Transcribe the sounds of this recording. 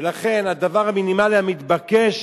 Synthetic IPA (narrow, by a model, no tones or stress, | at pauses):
laχe̞nad̪avaʁaminimaliamit̪bakeʃ